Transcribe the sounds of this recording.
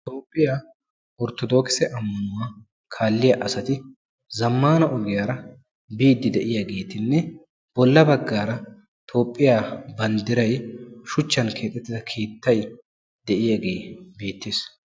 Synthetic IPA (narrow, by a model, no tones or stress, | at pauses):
t̪o̞ːpʼːɪjaː | ɔɾt̪ɔd̪o̞ːkɪ̥sɛʔɐmːɐnʊwaː | kʰaːlːɪjaʔɐsɐt̪ɪ | zɐmːaːnɐʔɔɡɪjaːɾɐ | biːd̪ːɪd̪ɛʔɪjaːɡe̞ːt̪ɪnːɛ | b̥ɔlːɐbɐɡːaːɾɐ | t̪ʰo̞ːpʼːɪjaːbɐnd̪ɪɾɐjʃʊt͡ʃːɐnkʰe̞ːt̪ʼːɛt̪ːɪzɐkʰeːt̪ːɐj | d̪̥ɛʔɪjaːɡe̞ːbeːt̪ːeːs